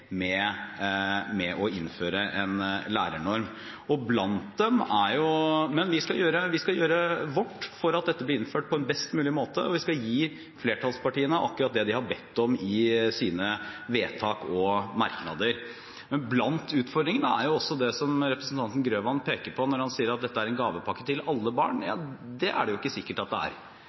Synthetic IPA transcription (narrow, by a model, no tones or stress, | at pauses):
mɛ | mɛʔɔɪ̰nːføːɾəʔɛnlæ̰ːɾəɳɔɾm | ɔblɑnt̪̚d̪ɛmæɾjʊmɛnʋɪskɑjøːɾəʋɪskɑjøːɾəʋɔʈːfɔɾɑt̪̚d̪ɛt̪ːəblɪɾɪnføːʈ̚pɔɛnbɛst̪mʉːlɪmoːt̪əɔʋɪskɑljiː | fleːʈʰɑlspɑʈiːənəʔɑ̰k̚t̪ːɪɾɑt̪̚d̪ɛd̪ɪhɑbɛt̪ːɔmɪsiːnəʋeːt̪ʰɑːkɔmɑ̰ɾknɑ̰d̪əɾ | mɛnblɑnt̪ʉːt̪fɔɾɖd̪ɾɪŋənəæ̰ɾjʊɔsːɔd̪ɛsɔmɾɛpɾəsn̩t̪ɑnt̪n̩ɡɾøːʋɑnpʰeːkəɾpʰɔnɔɾhɑnsiːəɾɑt̪̚d̪ɛt̪ːəæɾɛnɡɑːʋəpʰɑkːət̪ʰɪlɑlːəbɑ̰ːɳjɑ̰ːd̪ɛʔæ̰ɖɛjʊɪkːəsɪkːəʈɑt̪̚d̪ɛæ̰ɾ